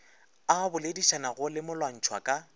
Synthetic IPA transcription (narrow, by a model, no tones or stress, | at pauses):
abʊlediʃanaɣʊlɪmʊlwan̩t͡ʃʰwa̰kʼa